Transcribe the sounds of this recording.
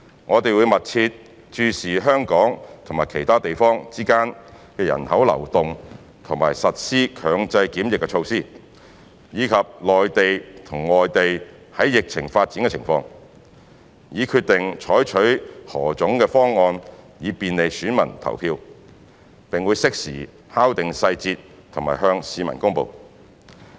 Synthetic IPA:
ŋʔɔː˨˧t̪e˨jwu˨˧jmɐ˨t̚t͡sʰiː˧t̚ | t͡ʃyː˧siː˨˩ɦœː˥ŋkɔː˨˥ŋt̪ʰʊ˨˩ŋmaː˨˩jkʰe˨˩jt̪ʰaː˥t̪e˨jfɔː˥ŋt͡siː˥kaː˥n | kɛː˧jɐ̰˨˩nhɐ˨˥wlɐ̰˨˩wt̪ʊ˨ŋ | t̪ʰʊ˨˩ŋma̰ː˨˩jsɐ˨t̚siː˥kʰœː˨˧ŋt͡sɐ˧jkiː˨˥mjɪ˨kːɛ˧t͡ʃʰo˧wsiː˥ | jiː˨˧kʰɐ˨p̚lɔː˨jt̪e˨jt̪ʰʊ˨˩ŋlɔː˨jt̪e˨j | hɐ˨˥jːɪ˨k̚t͡sʰɪ˨˩ŋfaː˧t̚t͡siː˨˥ŋkɛ˧t͡sʰɪ˨˩ŋfɔː˧ŋ | jiː˨˧kʰyː˧t̚t̪ɪ˨ŋt͡ʃʰɔː˨˥jt͡ʃʰɵ˨˥ɥhɔ̰ː˨˩t͡sʊ˨˥ŋkɛː˧fɔː˥ŋːɔː˧njiː˨˧piː˨nle˨˧jsyː˨˥nmɐ̰˨˩nt̪ʰɐ̰˨˩wpʰiː˧w | pɪ˨ŋwu˨˧jsɪ˥k̚sḭː˨˩ | haː˥wt̪ɪ˨ŋsɐ˧jt͡siː˧t̚ | t̪ʰʊ˨˩ŋmaː˨˩hœː˧ŋsiː˨˧mɐ̰˨˩nkʊ˥ŋpo̰˨w

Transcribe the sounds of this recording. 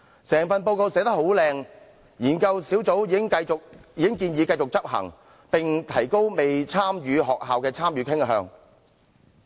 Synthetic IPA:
sɛː˨˩ŋfɐ˨npo˧wko˧wsɛː˨˥t̪ɐ˥ho˨˥wlɛː˧ŋ | jiː˨˩nkɐ˧wsiː˨˥wt͡so˨˥wiː˨˧ɪ˥ŋkɐ˧jʊ˨k̚jiː˨˧kɪ˥ŋkiː˧njiː˨˧kɐ˧jt͡sʊ˨k̚t͡sɐ˥p̚hɐ̰˨˩ŋ | pɪ˨ŋt̪ʰɐ˨˩jko˥wme˨jt͡sʰaː˥mjyː˨˧ɦɔː˨k̚ɦaː˨wkɛː˧t͡sʰaː˥mjyː˨˧kʰɪ˥ŋɦœ̰ː˧ŋ

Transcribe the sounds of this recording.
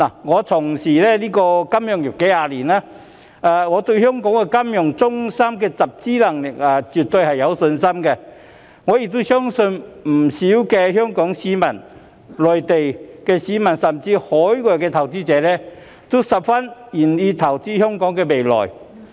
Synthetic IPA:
na˨˩ŋɔː˨˧t̪ʰʊ˨˩ŋsiː˨˩lɛː˥liː˥kɔː˧kɐ˥mjœː˨˧˩ŋjɪ˨p̚ke˨˥jhaː˨˧liː˨˩naː˥ | aː˨ŋɔː˨˧t̪ɵ˧ɥhœː˥ŋkɔː˨˥ŋkɛ˧kɐ˥mjʊ˨˩ŋt͡sʊ˥ŋsɐ˥mkɛː˧t͡sɐ˨˩p̚t͡siː˥lɐ˨˩ŋlɪ˨˩k̚aː˨t͡syː˨t̚t̪ɵ˧ɥhɐ˨jjɐ˨˧wsɵ˧nsɐ˥mkɛ˧ | ŋɔː˨˧jɪ˨k̚t̪o˥sœː˥ŋsɵ˧nm̩˨˩siː˨˥wkɛː˧hœː˥ŋkɔː˨˥ŋsiː˨˥mɐ˨˩n | lɔː˨jt̪e˨jkɛː˧siː˨˥mɐ˨˩nsɐ˨˩mt͡siː˧hɔː˨˥jkɔː˨kɛ˧t̪ʰɐ˨˩wt͡siː˥t͡sɛː˨˧lɛː˥ | t̪o˥wsɐ˨p̚fɐ˥njiː˨˩nliː˧t̪ʰɐ˨˩wt͡siː˥hœː˥ŋkɔː˨˥ŋkɛ˧me˨jlɔ̰ː˨˩j

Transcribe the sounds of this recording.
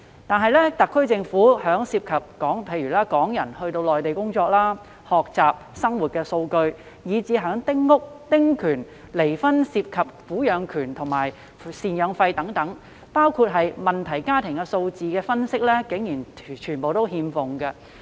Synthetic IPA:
t̪aː˨nɦɐ˨˧jlɛ˥t̪ɐ˨kʰːɵ˥ɥt͡sɪ˧ŋfuː˨˥hœː˨˥ŋsiː˧p̚kʰɐ˨p̚kɔː˨˥ŋpʰe˧jyː˨˩laː˥kɔː˨˥ŋjɐ˨˩nhɵ˧ɥt̪o˧wlɔː˨jt̪e˨jkʊ˥ŋt͡sɔː˧k̚laː˥ | hɔː˨k̚t͡saː˨p̚sɐ˥ŋwu˨t̚kɛː˧so˧wkɵ˧ɥ | jiː˨˧t͡siː˨˧ɦœː˨˥ŋt̪ɪ˥ŋːʊ˥k̚t̪ɪ˥ŋkʰyː˨˩n | le˨˩jfɐ˥nsiː˧p̚kʰɐ˨p̚fuː˨˥jœː˨˧ŋkʰyː˨˩nt̪ʰʊ˨˩ŋmaː˨˩j | siː˨njœː˨˧ŋfɐ˧jt̪ɐ˨˥ŋt̪ɐ˨˥ŋ | paː˥wkʰuː˧t̚ɦɐ˨jmɐ˨nt̪ʰɐ˨˩jkaː˥t̪ʰɪ˨˩ŋkɛ˧so˧wt͡siː˨kɛː˧fɐ˥nsɪ˥k̚lɛ˥kɪ˨˥ŋjiː˨˩nt͡ʃʰyː˨˩npo˨wt̪o˥whiː˧mfʊ˨ŋɡɐ˧

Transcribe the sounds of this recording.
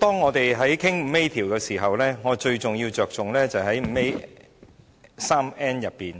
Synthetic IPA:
t̪ɔː˥ŋŋɔː˨˧t̪e˨jɦɐ˨˥jkʰɪ˥ŋm̩˨˧˥me˥jt̪ʰiː˨˩wkɛː˧siː˨˩ɦɐ˨wlɛː˥ŋɔː˨˧t͡ʃɵ˧ɥt͡sʊ˨ŋjiː˧wt͡ʃœː˨k̚t͡sʊ˨ŋlɛː˥t͡sɐ˨jhɐ˨˥jm̩˨˧˦me˥j | saː˥mɛː˥njɐ˨pːiː˨n

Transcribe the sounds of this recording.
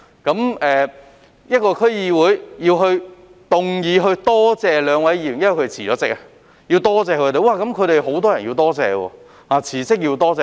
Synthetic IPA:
kɐ˨˥mɛː˨ | jɐ˥t̚kɔː˧kʰɵ˥ɥjiː˧wuː˨˥jjiː˧wɦɵ˧ɥ | t̪ʊ˨ŋjiː˨˧ɦɵ˧ɥt̪ɔː˥t͡sɛː˨lœː˨˧ŋwɐ˨˥jiː˧˩ɥjɐ˥˨˩kʰe˨˩t͡sʰiː˨˩ɔː˨˦t͡sɪ˥k̚a˨ | ji˧wt̪ɔː˥t͡sɛː˨kʰɵ˨˧t̪e˨jwaː˧kɐ˨˥mkʰɵ˨˧ɥɾe˨jɦo˨˥wt̪ɔː˥jɐ˨˩njiː˧wt̪ɔː˥t͡sɛː˨˧wɔ̰ː˧ | haː˨˩t͡sʰiː˨˩sɪ˥k̚ji˧wt̪ɔː˥t͡sɛː˨˧

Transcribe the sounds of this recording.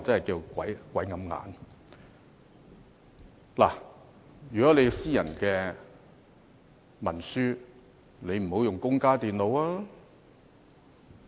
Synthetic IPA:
t͡sɐ˥nhɐ˨jkiː˧wkʷɐ̰˨˥jkʷɐ˨˥jŋɐ˨˧˥mŋa̰ː˨˧n | la̰ː˨˩ | jyː˨˩kɔ˨˥ne˨˧jsiː˥jɐ˨˩nkɛː˧ | mɐ˨˩nsyː˥ | ne˨˧jm̩˨˩ho˨˥wjʊ˨ŋkʊ˥ŋkaː˥t̪iː˨nlo˨˧waː˥

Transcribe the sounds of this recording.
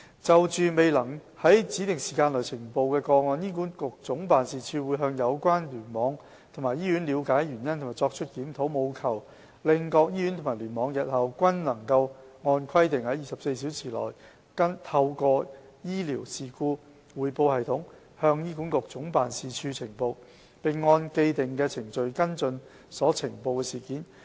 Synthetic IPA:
t͡sɐ˨wt͡ʃyː˨me˨jlɐ˨˩ŋ | hɐ˨˥jt͡siː˨˥t̪ɪ˨˩ŋsiː˨˩kaː˧nlœ˨˩t͡sʰɪ˨˩ŋpo˨˧wkɛː˧kɔː˧ŋɔː˧njiː˥k̬uː˨˥nkʊ˨k̚t͡sʊ˨˥ŋpaː˨nsiː˧t͡ʃʰyː˧wuː˨˧˥jɦœː˧ŋjɐ˨˧wkʷaː˥nlyː˨˩nmɔː˨˧ŋ | t̪ʰŋmaː˨˩jiː˥jy˨˥nliː˨˧wkaː˨˥jjyː˨˩njɐ˥nt̪ʰʊ˨˩maː˨˩jt͡sɔː˧k̚t͡ʃʰɵ˥t̚kiː˨˥mt̪ʰo˨˥wmo˨˧wkʰɐ˨˩w | lɪ˨ŋkɔː˧k̚jiː˥jy˨˥nt̪ʰʊ˨˩mː˨˩lyː˨˩nmɔː˨˧˥ŋjɐ˨t̚hɐ˨˧wkʷɐ˥nlɐ˨˩ŋkɐ˧w | ŋɔː˧nkʰɐ˥jt̪ɪ˨ŋhɐ˨˥jiː˨sɐ˨p̚se˧jsi˨˥wt͡sʰiː˨˩lɔ̰ː˨˩j | kɐ˥nt̪ʰɐ˧wkɔː˧ | jiː˥li˨˩wsiː˨˩kuː˧ | wuː˨˧jpo˧whɐ˨jt̪ʰʊ˨˥ŋ | hœː˧ŋjiː˥ku˨˥nkʊ˨k̚t͡sʊ˨˥ŋpaː˨nsiː˨˧t͡ʃʰyː˧t͡sʰɪ˨˩ŋpo˧w | pe˨˩jŋɔː˧nke˧jt̪ɪ˨˩ŋkɛː˧t͡sʰɪ˨˩ŋt͡ʃɵ˨˧ɥkɐ˥nt͡sɵ˧n | sɔː˨˥t͡sʰɪ˨˩ŋpo˧wkɛ˧siː˨kiː˨˥n

